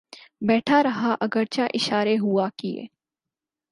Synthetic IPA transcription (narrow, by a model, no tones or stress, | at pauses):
bɛːʈʰaɾɐɦaʔɐɡəɾt͡ʃaʔɪʃaːɾeɦuakiḛː